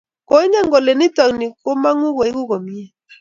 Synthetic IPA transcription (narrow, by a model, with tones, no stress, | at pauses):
ko˦i˦ɲa˦ŋɡo˨le˨ni˦tɔ˨ŋni˨ko˦ma˦ŋu˦ko˨i˦ku˦ko˨mi˦ɛ˦˨